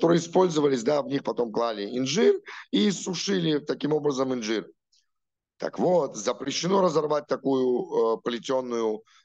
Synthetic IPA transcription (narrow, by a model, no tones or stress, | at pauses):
t̪o̞ɾɨjəːspo̞lʲzəvəlʲɪsʲd̪avnʲixpɐt̪o̞mklˠalʲɪɪnʐɨrisʊʂɨlʲɪt̪ɐkʲimo̞bɾəzəmɨnʐɨr | t̪a̰kvot̪zəpɾʲɪɕːɪno̞ɾəzɐrvat̚ʲt̪ɐkujʊəplʲɪtʲonːʊjʊ